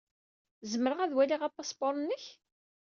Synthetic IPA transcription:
zəməɾəʁæðwæliʁapːasˤboɾˤnːəç

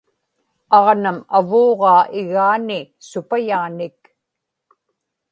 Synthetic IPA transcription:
ɑʁnama̰voːʁɑːʔɪɣaːnɪ | sʊpajaːnɪk

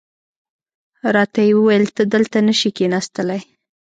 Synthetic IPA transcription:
ɾɑt̪ajewəwajəlt̪əd̪əlt̪anəʃikenɑst̪əlaj

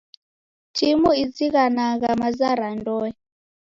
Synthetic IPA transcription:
tʰimuid͡ziɣanaɣamazaɾandɔɛ

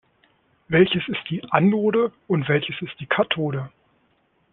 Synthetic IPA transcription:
vɛlçəsɪst̚d̥iːʔanːoːdəʊntv̥ɛlçəsɪst̚d̥iːkʰatʰoːdə

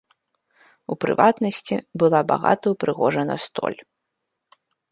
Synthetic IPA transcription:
upɾɨ̰vat̪nɐsʲt͡sʲibɨlˠaba̰ɣa̰t̪ɐjupɾʔɨɣɔʐɐnɐ̰st̪ɔ̰lʲ

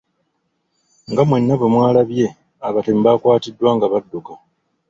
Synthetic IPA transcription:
ŋɡamwe̞nːaβemwaːlaβje̞ | aβatem̩bakwaːtidːwaːŋɡaβadːoka

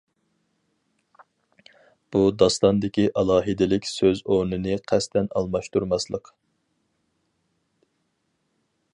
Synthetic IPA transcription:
b̥ud̪ɑst̪ɑnd̪ɪkʲiʔɑlˠɑːɦɨd̪ɪlɪkʲsøzonɨnɨqʰɛst̪ɛnɑ̰lˠmɑʃt̪uɾmɑslˠəq

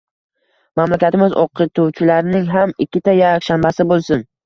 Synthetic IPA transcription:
mamlakʲat̪ɪmɪzoqʰːɨt̪ʰuwt͡ʃʰɪlaɾnɪŋɦamɪkʲːɪt̪ʰajakʲʃambasɪbolˠsʊn

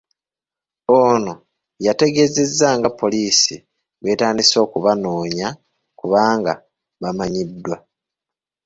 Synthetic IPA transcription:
oːno̞ | jate̞ɡe̞ze̞zːaŋɡapːo̞liːsḭ | βwe̞ːtaːndiso̞ːkuβano̞ːɲa | kuβaːŋɡa | βamaɲidːwa

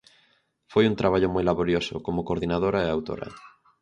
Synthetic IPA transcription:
fojuŋt̪ɾaβaʎʊmojlaβoɾjoso̰komokoɾðinað̞oɾaeawt̪o̰ɾa̰

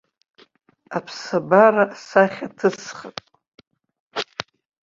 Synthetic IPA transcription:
apʰsabaraʔsaχʲatʰɨsχatʼ

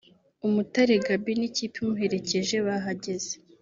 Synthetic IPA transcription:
umutaɾeɡabiniciːpumuɦe̞ɾe̞ce̞ʒe̞βaɦaɟe̞z̥e

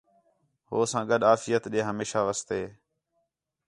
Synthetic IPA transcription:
ɦoːsãːɠəɗaːfɪjət̪ɗẽːɦəmeːʃaːʋəst̪eː

